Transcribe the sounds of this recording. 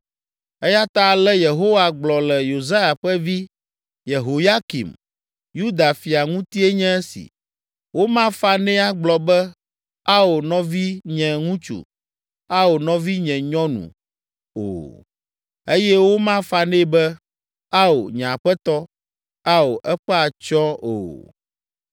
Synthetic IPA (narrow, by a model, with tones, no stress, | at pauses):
ɛ˦ja˦t̪a˦˨lɛ˦je˨ɦo˦wa˨ɡ͡blɔ˨lɛ˨jo˨za˦ja˨ɸɛ˦vi˦ | je˨ɦo˨ja˦kḭ˨m | ju˦d̪a˨fi˨a˨ŋũ˦t̪i˦ɛ˦ɲɛ̃˦ɛ˦sḭ˨ | wo˦mã˦fa˦nɛ̃˦a˦ɡ͡blɔ˨bɛ˦ | a˦o˨nɔ̃˦vi˦ɲɛ̃˨ŋũ˦t͡ʃṵ˨ | a˦o˨nɔ̃˦vi˦ɲɛ̃˨ɲɔ̃˦nṵ̃˨ | o̰˨ | e˦jɛ˦wo˦mã˦fa˦nɛ̃˦bɛ˦ | a˦o̰˨ɲɛ̃˨a˨ɸɛ˦t̪ɔ˦ | a˦o˨ʔɛ˦ɸɛ˦a˨t͡ʃɔ̃˦o̰˨